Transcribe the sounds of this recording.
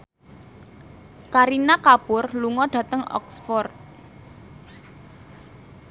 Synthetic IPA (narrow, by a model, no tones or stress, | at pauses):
kaɾinakapʊrluŋɔɖ̥ä̤t̪əŋɔ̰ksfɔrt̪̚